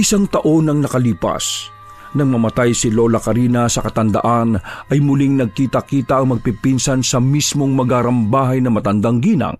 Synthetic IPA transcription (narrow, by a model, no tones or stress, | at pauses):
ʔɪsaŋt̪ɐʔo̞nɐŋnɐkɐliːpɐ̰s | nɐŋmɐmɐt̪ajsɪlolɐkɐɾinɐsɐkɐt̪ɐnd̪ɐ̰ʔanʔɐjmʊliŋnɐɡ̚kiːt̪ɐkiːt̪ɐʔɐŋmɐɡ̚pipinsɐnsɐmismo̞ŋmɐɡaːɾɐmbaːɦɐjnɐmɐt̪ɐnd̪aŋɡiːnɐ̰ŋ